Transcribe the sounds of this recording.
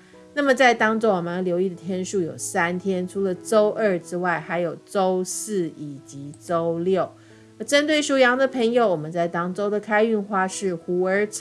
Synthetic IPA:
na˥˩mə˨˩t͡sa˥˩ɪt̪ɑ˥ŋt͡swɔ˥˩wɔ˨˩mə˨˦ə˧˩ljo˧˥ʊi˥˩d̪ə˩t̪ʰjɛ˥nʂu˥˩jo̰˨˩ʊsa˥nt̪ʰjɛ˥nʈ͡ʂʰu˥lə˨ʈ͡ʂo˥ʊʔə˞˥˩ʈ͡ʂɻ̩˥wa˥˩ɪxa˧˥ɪjo˨˩ʊʈ͡ʂo˥ʊsɹ̩˥˩i˨˩t͡ɕi˧˥t͡so˦˥ʊljo˥˩ʊ | ə˧˥ʈ͡ʂə˥nt̪we˥˩ɪʂu˥˩jɑ˧˥ŋd̪ə˨pʰə˧˥ŋjo˧˦ʊwɔ˨˩mə˨˦nt͡sa˥˩ɪt̪ɑ˥ŋt͡so˥ʊd̪ə˨kʰa˥ɪy˥˧nxwa˥˧ʂɻ̩˥˩xu˧˥ə˞˧˥t͡sʰ

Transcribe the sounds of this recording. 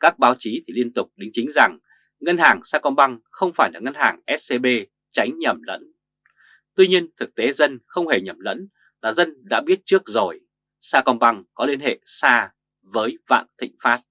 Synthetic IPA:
kaː˦˥k̚ɓaː˨˦wt͡ɕi˨˦t̪ʰi˨˩li˧ənt̪ʊ˨˩k͡p̚ɗï˨˦ŋ̟t͡ɕï˨˦ŋ̟za˨˩ŋ | ŋə˧nhaː˨˩ŋsaː˧kɔ˧nɓa˧ŋxə˧wŋ͡mfaː˧˩jlaː˨˩ŋə˧nhaː˨˩ŋʔɛ˦˥t̚se˧ɓe˧ | t͡ɕa˨˦jŋ̟ɲə˨˩mlə̰˧˥n | t̪wi˧ɲi˧ənt̪ʰɨ˨˩k̚t̪e˨˦zə˧nxə˧wŋ͡mhe˧˩ɲə˨˩mlə̰˧˥n | laː˨˩zə˧nɗa̰ː˧˥ɓi˦˥ət̚t͡ɕɨ˦˥ək̚zo˨˩j | saː˧kɔ˧nɓa˧ŋkɔ˨˦li˧ənhḛ˧˨saː˧ | vəː˨˦jva̰ː˧˨nt̪ʰḭ˧˨ŋ̟faː˦˥t̚

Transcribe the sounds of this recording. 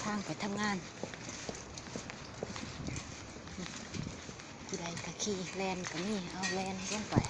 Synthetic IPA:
tʰaː˧˩˨ŋpa˨˩jt̪ʰa˧˥mŋaː˧˥˨n˧˩ | ku˧˨la˨˩jka˧˩kʰiː˧˩˨lɛː˧˩˨nka˨˩miː˧˥˨ʔa˧˩wlɛː˧˨n˧˩t͡ɕa˧˥˨ŋpa˨˦j

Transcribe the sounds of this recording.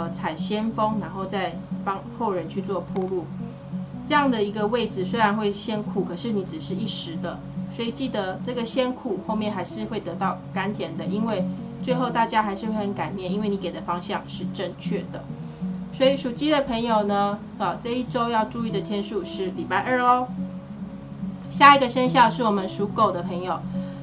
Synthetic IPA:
ə˧t͡sʰa˨˩ɪɕjɛ˥nfɤ˥ŋna˧˥nxo˥˧ʊt͡sa˥˩ɪfɑ˥ŋxo˥˩ʊɻə˧˦nt͡ɕʰy˥˧t͡swɔ˥˧pʰu˥˧lu˥˩ | ʈ͡ʂɤ˥˧jɑ˥˩ŋd̪ə˩i˧˥ɡə˧we˥˩ɪd͡zɹ̩˨swe˥ɪɻa˧˥nxwe˥˩ɪɕjɛ˥nkʰu˥˩kʰɤ˨˩ʂɻ̩˥˩ni˧˥ʈ͡ʂɻ̩˨˩ʂɻ̩˥˧i˥˩ʂɻ̩˧˦d̪ə˨ | swɔ˧˥i˨˩t͡ɕi˥˩d̪ə˩ʈ͡ʂɤ˥˩ɡə˨ɕjɛ˥nkʰu˨˩xo˥˧ʊmjɛ˥˩nxa˧˥ɪʂɻ̩˥˧xwe˥˩ɪt̪ɤ˧˥t̪ɑ˥˩ʊka˥nt̪ʰjɛ˧˥nd̪ə˨ʔi˦nwe˥˧ɪ | t͡swe˥˧ɪxo˥˧ʊt̪a˥˩t͡ɕja˥xa˧˥ɪʂɻ̩˥˧xwe˥˩ɪxə˧˦nka˨˩njɛ˥˩ni˥nwe˥˩ɪni˧˥ke˨˩ɪd̪ə˩˦fɑ˥ŋɕjɑ˥˧ŋʂɻ̩˥˧ʈ͡ʂə˥˧ŋt͡ɕʰɥɛ˥˩d̪ə˩ | swɔ˧˥i˨˩ʂu˨˩t͡ɕi˥d̪ə˨pʰə˧˥ŋjo˨˩ʊnə˩ | ə˨˩t͡sa˥˧ɪi˥˩ʈ͡ʂo˥ʊjɑ˥˧ʊʈ͡ʂu˥˧i˥˩d̪ə˩t̪ʰjɛ˥nʂu˥˧ʂɻ̩˥˩li˨˩pa˥˧ɪʔə˞˥˧lɔ˦ | ɕja˥˩i˧˥ɡə˨ʂə˥nɕjɑ˥˧ʂɻ̩˥˩wɔ˨˩mə˦nʂu˧˥ko˨˩ʊd̪ə˩pʰə˧˥ŋjo˨˩ʊ

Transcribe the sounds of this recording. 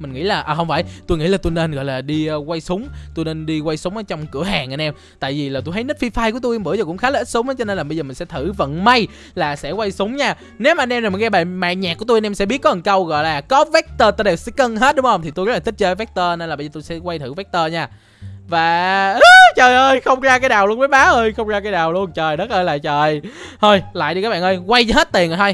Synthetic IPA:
mï˨˩ŋ̟ŋḭ˧˥laː˨˩ʔəː˨˩ɦə˧wŋ͡mfaː˧˨jt̪u˧jŋḭ˧˥˨laː˨˩t̪u˧jne˧nɣɔ̰˧˨jlaː˨˩ɗi˧ə˧kwa˧jsʊ˨˦ŋ͡mt̪u˧jne˧nɗi˧kwa˧jsʊ˨˦ŋ͡mʔəː˨˦t͡ɕɔ˧wŋ͡mkɨ̰˧˩əɦaː˨˩ŋʔa˧nʔɛ˧m | t̪a̰ː˧˨jvi˨˩laː˨˩t̪u˧jhʰə˦jnɨ˦˥t̚fi˧faː˧jku˧˩ət̪u˧ʔi˧mɓɨ̰˧˥əzɔ˨˩kʊ̰˧˥ŋ͡mxaː˨˦lə˨˩ʔi˦˥t̚sʊ˨˦ŋ͡mʔəː˨˦t͡ɕɔ˧ne˧nlaː˨˩ɓə˧zəː˨˩mi˨˩ŋ̟sɛ̰˧˥t̪ʰɨ˧˩və̰˧˨nma˧j | laː˨˩sɛ̰˧˥kwa˧jsʊ˨˦ŋ͡mɲaː˧ | ne˨˦wmaː˨ʔnʔɛ˧mna˨˩mi˨˩ŋɣɛ˧ɓaː˨˩ma̰ː˧˨ɲaː˨˩ku˧˩ət̪u˧ʔnʔɛ˧msɛ̰˧˥i˦˥t̚kɔ˨˦ə˨˩kə˧wɣɔ̰˧˨jlaː˨˩kɔ˨˦vɛ˦˥k̚t̪əː˧t̪ə˧ɗe˨˩wsɛ˧˦˥kə˧nɦe˦˥t̚ɗʊ˨˦ŋ͡mhə˧ŋ͡mt̪ʰi˨˩t̪u˧ɣlaː˨˩i˦˥t͡ɕəː˧˦vɛ˦˥k̚t̪əː˧ne˧nla˨˩ɓə˧jzəː˨˩t̪u˧jsɛ̰˧˥kwa˧jt̪ʰɨ̰˧˩vɛ˦˥k̚t̪əː˧ɲaː˧˩ | vaː˨˩ə˦t͡ɕəː˨˩jʔəː˧jxə˧wŋ͡mzaː˧kaː˨˦jɗaː˨˩wlu˧ənməː˨˦jɓaː˨˦ʔəː˧jxə˧wŋ͡mzaː˧kaː˨˧jɗaː˨˩wlu˧ənt͡ɕəː˨˩jɗə˦˥t̚ʔəː˧jla̰ː˧˨jt͡ɕəː˨˩jt̪ʰo˧jla̰ː˧˨jɗi˧kaː˦˥ɓa̰ː˨ʔə˧jkwa˧jzɦhe˦˥t̚t̪i˨˩ənː˨˩t̪ʰo˧j

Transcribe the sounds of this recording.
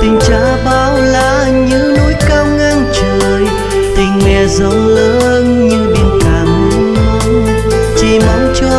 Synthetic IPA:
t̪ï˨˩ŋ̟t͡ɕaː˧˦ɓaː˧˦wlaː˧˨ | ɲɨ̰˧˥ŋnu˧˦˥jka˧wŋ͡mʔa˧ŋt͡ɕə˨˩əj | t̪ï˨˩ŋ̟mɛ˨˩zə˧˩wləː˧˦ | nɲɨ˧ɓi˧nk̪aː˧˩m˨˧˦ | t͡ɕi˧˩ma˨˦nt͡ɕɔ˧

